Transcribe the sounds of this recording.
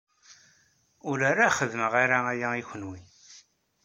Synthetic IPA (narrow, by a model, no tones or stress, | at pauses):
ʊɾaɾaχəðəməʁaɾaæjæiçənwi